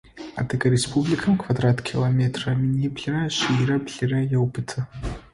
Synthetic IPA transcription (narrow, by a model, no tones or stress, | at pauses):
a̰tʰɨɡɐɾespʰublʲikʰɐmkʰvad̪ratʰkʲʰilˠometʰrɐminibɮɨɾɐɕiɾɐbɮɨrɐjɐwbɨtʰɐ